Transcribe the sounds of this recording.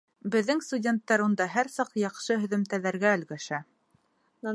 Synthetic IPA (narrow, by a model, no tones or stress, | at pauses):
bɘ̆ðːɘŋst̪udʲe̞nt̪ːɑɾund̪ɑɦæɾsɑqjɑqʃɤɦɵ̆ðɵ̆mt̪ælæɾɡæɵ̆lɡæʃæ